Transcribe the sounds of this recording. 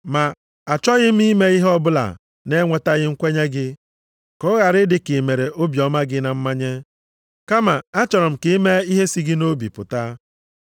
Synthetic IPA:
ma˨ | a˨t͡ʃɔ˦ɣɪ˦m̩˦i˦me˦i˦ɦɔ˦bʊ˦la̰˨ | ne˦ŋʷe˨ta˦ɣɪ˦ŋ̩˦kʷe˦ɲe˦ɡɪ˦ | kɔ˦ɣa˨ɾɪ˦dɪ˨kɪ˨me˨ɾe˨ʔo˦bjɔ˨ma˦ɡɪ˦na˨m̩˦ma˦ɲe˦ | ka˦ma˨a˦t͡ʃɔ˨ɾɔ˨m̩˨kɪ˦i˦me˦i˦ɦe˦si˦ɡɪ˦no˦bi˨pʊ̰˨ta˦

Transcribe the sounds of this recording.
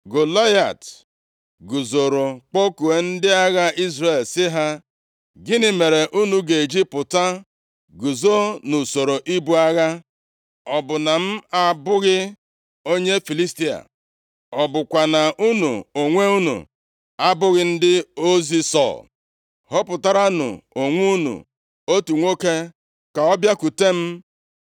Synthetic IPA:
ɡʊ˨la˦ja˨t | ɡu˨zo˨ɾo˨k͡po˦ku˨e˨n̩˦dɪ˦a˦ɣa˦i˦zre˨lsɪ˦ɦa˦ | ɡɪ˦nɪ˦me˨ɾe˨ʔu˦nu˨ɡe˨d͡ʒi˦pʊ˨ta˦ | ɡu˨zo˦nu˨so˨ɾo˨ʔi˦bu˦a˦ɣa˦ | ɔ˨bʊ˨na˨m̩˦a˦bʊ˦ɣɪ˦ | o˦ɲe˦fi˨li˦sti˦a̰˨ | ɔ˨bʊ˨kʷa˨na˨ʔu˦nṵ˨o˨ŋʷe˦u˦nṵ˨ | a˦bʊ˦ɣɪ˦n̩˦dɪ˦o˦zi˦sɔ̰˦˨l | hɔ˦pʊ˨ta˦ɾa˦nʊ̰˨o˨ŋʷu˦nṵ˨ | o˦tu˨ŋʷo˦ke˦ | ka˨ɔ˦bja˦ku˨te˦m̩˦

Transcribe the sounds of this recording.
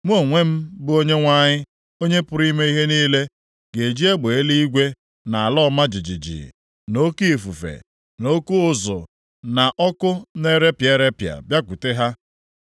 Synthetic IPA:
ŋʷ˦o˦˨ŋʷe˦m̩˦bʊ˦o˦ɲe˦ŋʷa˦ɲɪ˦ | o˦ɲe˦pʊ˦ɾi˦me˦i˦ɦe˦niː˦le˦ | ɡe˨d͡ʒi˦e˦ɡ͡be˨e˦li˦i˦ɡʷe˦ | na˨a˨lɔ˦ma˦d͡ʒi˨d͡ʒḭ˨d͡ʒḭ˨ | no˦ki˦e˨fu˨fḛ˨ | no˦ku˦ʊ˦zʊ̰˨ | na˨ʔɔ˦kʊ˦ne˦ɾe˦pje˦ɾe˦pja̰˨bja˦kʷu˨te˦ɦa˦

